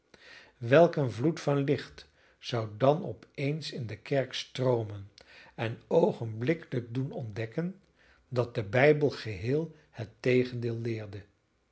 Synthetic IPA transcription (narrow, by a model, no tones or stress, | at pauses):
ʋɛlˠkənvlutfɑnlɪχt | z̥ɑwdɑnɔpejnsɪndəkɛɹkstrowmənɛnowχənblɪkələɡ̚dunɔndɛkən | dɑt̚dəbɛjbəlˠχəɦɪːlˠ | hətːejχəndɪːlˠːɪːɹdə